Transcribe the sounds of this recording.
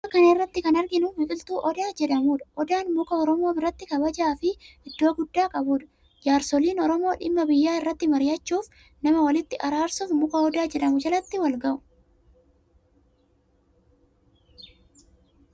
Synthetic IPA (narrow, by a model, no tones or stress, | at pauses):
ɐkɐnrːɐt̪ːɪkɐnɐɾɡɪnʊmɪfʼɪlt̪uːʔɔd̪aːd͡ʒɛᶑɐmuːᶑɐ̥ʔɔd̪aːnmʊkɐɔɾɔmo̞ːbɪrːɐt̪ːɪkɐbɐd͡ʒaːfɪɪd̪ːo̞ːɡʊd̪ːaːkʼɐbuːᶑɐ̥ | d͡ʒaːɾsɔliːnɔɾɔmo̞ːᶑɪmːɐbɪjːaːɪrːɐt̪ːɪmɐɾɪjɐt͡ʃːuːf | nɐmɐwɐlɪt̪ːɪʔɐɾaːɾsufmʊkɐɔd̪aːd͡ʒɛᶑɐmʊd͡ʒɐlɐt̪ːɪwɐlɡɐʔʊ̥